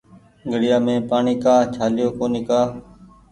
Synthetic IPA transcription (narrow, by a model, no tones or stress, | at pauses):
ɡʱəɽɪjaːmẽːpaːɳiːkaːt͡ʃʰaːlɪjoːkoːnikaː